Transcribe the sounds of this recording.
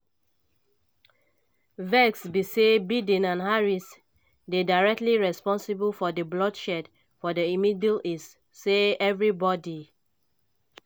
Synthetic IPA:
vɛksbisebidĩnãnhaɹis | dedaɪɹɛk̚tliɹɛspɔ̃nsibəlfɔdəblɔdʃɛd | fɔdəimidlisː | eɛvɹibɔdi

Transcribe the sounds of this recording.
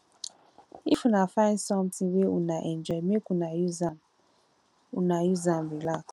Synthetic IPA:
ifunafãɪnsɔ̃mtĩŋweunaʔɛnd͡ʒɔmekunajuzan | unajuzambilak

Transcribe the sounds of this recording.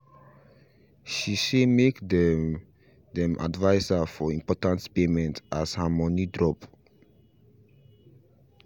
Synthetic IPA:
ʃisemekdɛ | dɛ̃mʔa̰dvaɪsafɔĩmpɔtãntpemɛ̃ntashamɔnidɹɔp

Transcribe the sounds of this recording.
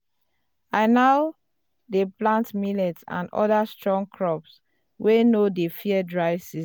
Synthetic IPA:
aɪnaʊ | deplãntmilɛtsã̰nɔ̰dastɹɔ̃ŋkʰɹɔps | wʔenodefiɛdɹaɪvsiz

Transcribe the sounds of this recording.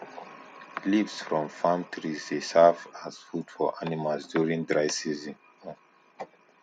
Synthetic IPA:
livsfɹɔ̃mfãmtʰɹizesɛvaz̥fudfɔʔanimalsdjuɹĩŋdɹajsizĩn

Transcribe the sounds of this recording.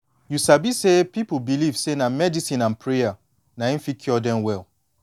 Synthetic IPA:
jusabisepipubilivsenamɛdisĩnãnpʰɹea | naĩnfikʰɔdɛ̃mwɛlˠ

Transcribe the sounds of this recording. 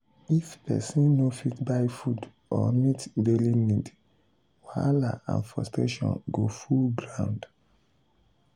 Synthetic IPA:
ifpɛ̰sĩnnofitbajfud | ɔmitbelinid | walaã̰nfɔsteʃɔ̰̃nɡofulɡɹãw̃nd

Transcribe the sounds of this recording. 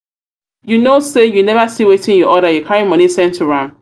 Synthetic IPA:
junosejunɛvasiwetɪ̃ŋjɔʔɔɾajukʰaɹĩmʌ̃nisɛ̃ntʰuɹãn

